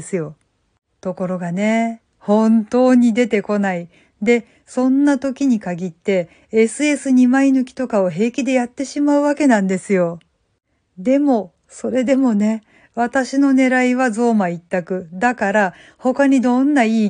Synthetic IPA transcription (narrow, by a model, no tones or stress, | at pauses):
sɨjo̞ | t̪o̞ko̞ɾo̞ɡane̞ | hõ̞nt̪o̞ːɲ̟id̪e̞t̪e̞ko̞nai | d̪e̞ | sõ̞nːat̪o̞kʲiɲ̟ikaɡʲit̪ːe̞ | esɨe̞sɨɲ̟imainɯ̟kʲi̥t̪o̞kao̞ɦe̞ːkʲid̪e̞jat̪ːe̞ɕimaɯ̟βake̞nãnd̪e̞sɨjo̞ | d̪e̞mo̞ | so̞ɾe̞d̪e̞mo̞ne̞ | βat̪aɕino̞ne̞ɾaiβazo̞ːmait̪ːakɯ̟d̪akaɾa | ho̞kaɲ̟id̪õ̞nːaiː